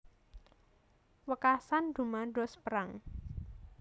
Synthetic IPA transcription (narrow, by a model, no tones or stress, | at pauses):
wəkasand̪̥ṳmaɖɔspəɾaŋ